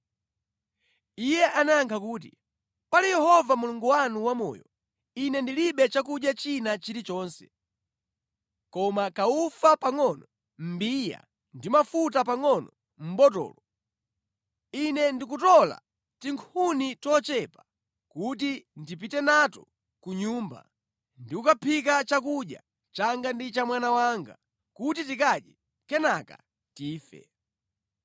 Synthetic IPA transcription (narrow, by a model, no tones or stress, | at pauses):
ijɛʔanaŋkʰakuːt̬ḭ | palijɛhɔvamuluŋɡuwanuwamɔ̰jɔ̰ | inɛndiliɓɛt͡ʃak̬uʄjat͡ʃinat͡ʃiɾit͡ʃɔːnsɛ̥ | kɔmakaufapaŋɔnɔ | m̩biːja̰ | ndimafut̬ap̬aŋɔnɔ | m̩ɓɔtɔ̰ːlɔ | inɛndik̬utɔla̰ | tiŋkʰunitɔt͡ʃɛpa | kutindip̬itɛnatɔ | kuɲuːmba̰ | ndikukapʰikat͡ʃak̬uɗja̰ | t͡ʃaŋɡandit͡ʃamwanawaŋɡa̰ | kut̬itikaɗjɛ | kɛnaka̰ | tiːfɛ̰